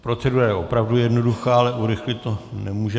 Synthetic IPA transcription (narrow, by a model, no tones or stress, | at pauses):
pɾo̞t͡sɛduːɾajɛʔo̞pɾavdujɛdnoduxaːalɛʔuɾɪxlɪt̪onɛmuːʒɛ